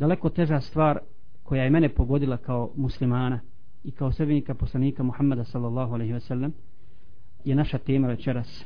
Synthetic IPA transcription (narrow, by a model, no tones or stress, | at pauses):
d̪ale̞ko̞t̪e̞ʒast̪ʋaːɾ | ko̞jajeme̞nepo̞ɡo̞d̪ilakao̞muslimaːna | ikaosɾbeɲikapo̞slˠaniːkamuhamːad̪asalːalːɑːɦoalejɦiosalːem | jenaʃat̪e̞ːmaʋe̞t͡ʃeɾas